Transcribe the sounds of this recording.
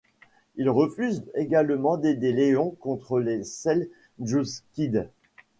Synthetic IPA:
ilʁəfyzeɡalmɑ̃d̪ed̪eleɔ̃kɔ̃t̪χəlesɛl | ʒuskʲid̪

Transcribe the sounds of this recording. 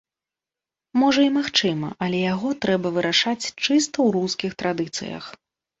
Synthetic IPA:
mɔʐɐimaxt͡ʂɨmɐ̰ʔɐlʲɛjaɣɔt̪ɾɛbɐvɨɾaʂat͡sʲt͡ʂɨst̪ɐwɾuskʲixt̪ɾad̪ɨt̪sɨ̰jɐ̰x

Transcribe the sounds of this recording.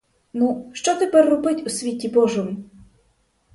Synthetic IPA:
nuʃt͡ʃɔt̪epɛrːɔbɪtʲusʲʋʲitʲibɔʒɔmʊ

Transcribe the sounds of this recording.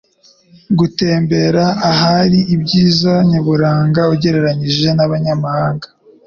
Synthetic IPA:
ɡute̞ːmbe̞ɾaːɦaɾiibɟiːzaɲaβuɾaːŋɡauɟe̞ɾe̞ɾaɲiʒe̞naβaɲamahaːŋɡḁ

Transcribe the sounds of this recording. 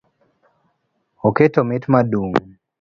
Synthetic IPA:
oketomɪtmaduŋ

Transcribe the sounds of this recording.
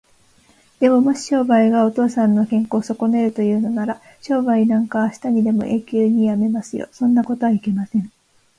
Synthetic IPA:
d̪̥e̞mo̞mo̞ɕi̥ɕo̞ːbaiɡao̞t̪o̞ːsãnːo̞kẽ̞ŋko̞ːso̞ko̞ne̞ɾɯ̟t̪o̞jɯ̟ːno̞naɾa | ɕo̞ːbainãŋkaːɕi̥t̪aɲ̟id̪e̞mo̞̰ʔe̞ːkʲɨːɲ̟ijame̞masɨjo̰sõ̞nːako̞t̪oβaike̞masẽ̞ɴ

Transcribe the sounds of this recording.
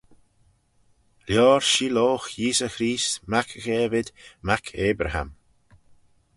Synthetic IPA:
ljɔːɹʃiːloːxjiːsəxɾiːstmakʰəxɛːvɪd̪makʰeːbɾəha̰m

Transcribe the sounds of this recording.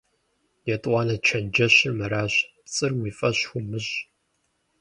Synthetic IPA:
jɛtʼʷɑːnɐt͡ʃʰɐnd͡ʒɐɕɪmɐɾaːɕ | t͡sʼɨrwiːfʼɐɕxʷʊmɨɕ

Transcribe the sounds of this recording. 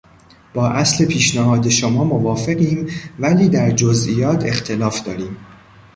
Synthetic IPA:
b̥ɒːʔæsle̞pʰiːʃnæɦɒːd̪e̞ʃomɒːmovɒːfe̞ɢiːmvæliːd̪æɾd͡ʒozʔijɒːt̪ʰe̞xt̪ʰe̞lɒːfd̪̥ɒːɾiːm

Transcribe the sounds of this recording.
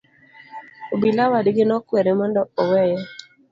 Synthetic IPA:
obilawadɪɡɪnɔkwɛɾemɔndɔɔwɛjɛ

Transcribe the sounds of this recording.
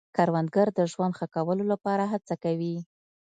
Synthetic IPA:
kɑɾwand̪̚ɡaɾd̪əʒwand̪xəkawəlolapɑɾaɦat͡sakawi

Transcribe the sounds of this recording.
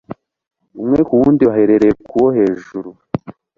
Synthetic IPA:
umŋe̞kuwuːndiaɦeɾeɾekuwohe̞ːʒuɾu

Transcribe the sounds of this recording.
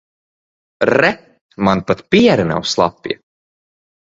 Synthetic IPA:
ɾɛ | manpat̪piɛɾina̰wslˠa̰pːiɛ

